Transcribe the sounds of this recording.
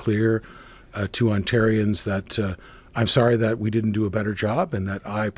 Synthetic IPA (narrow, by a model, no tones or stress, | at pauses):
kʰl̥ɪɹ | tʰɨɑ̃ntʰɛɹiɨ̃nzðɨt | ãɪ̃msɑɹiðɨt̚widɪdⁿn̩d̥ɨəbɛɾə˞d͡ʒɑbɨ̃nðɨɾaɪpʰ